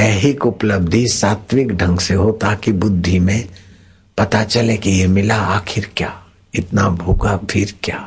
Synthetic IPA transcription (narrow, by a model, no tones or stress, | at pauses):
ɛːɦɪkʊpləb̚d̪ʱisaːt̪ʋɪkɖʱɐ̃ŋɡseɦot̪aːkibʊd̪ʱːimẽ | pɐt̪at͡ʃɐlekijemɪlaaːkʰɪɾkjaː | ɪt̪nabʱuːɡapʰɪɾkjaː